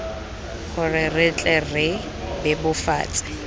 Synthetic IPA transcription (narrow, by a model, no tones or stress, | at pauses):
χʊrɪrɪt͡ɬʼɛrɪ | bɪbʊfa̰ːt͡sʼɪ̥